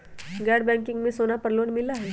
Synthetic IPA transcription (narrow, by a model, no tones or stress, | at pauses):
ɡɛːɖbɛ̃ːŋkɪ̃ŋɡmẽsoːnapɐɾloːɽmɪlaɦɛː